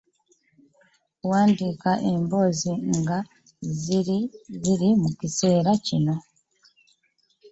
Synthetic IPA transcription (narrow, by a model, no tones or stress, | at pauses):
waːndikaʔe̞mbo̞ːziŋɡa | ziɾziɾimucise̞ːɾacino̞